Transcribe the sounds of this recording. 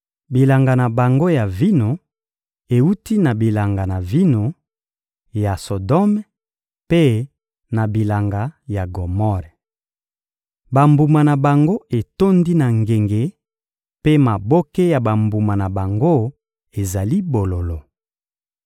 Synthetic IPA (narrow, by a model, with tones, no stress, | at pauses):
bi˨la˨ŋɡa˨na˨ba˨ŋɡo˦ja˨vi˦no˨ | e˨u˦ti˦na˨bi˨la˨ŋɡa˨na˨vi˦no˨ | ja˨so˨dɔ˦m | pe˦ | na˨bi˨la˨ŋɡa˨ja˨ɡo˨mɔ˦ʁ | ba˨mbu˨ma˨na˨ba˨ŋɡo˦e˨to˦ndi˦na˨ŋɡe˨ŋɡe˨ | pe˦ma˨bo˦ke˦ja˨ba˨mbu˨ma˨na˨ba˨ŋɡo˦ | e˨za˨li˦bo˨lo˨lo˨